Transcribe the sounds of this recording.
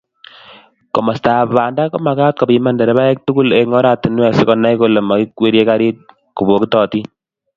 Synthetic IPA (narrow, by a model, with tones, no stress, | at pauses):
kɔ˨ma˨sta˨βa˨nda˦kɔ˦ma˨ka˦t̚kɔ˨pi˧ma˦ndɛ˨ɾɛ˦βa˦ɛ˦k̚tu˦ku˦leŋɔ˦ɾa˨ti˨nwɛ˨se˦kɔ˨na˦jko˦le˨ma˨ki˦kwe˦ɾje˦ka˦ɾi˦t̚ | ku˨bo˨ki˦tɔ˨ti˦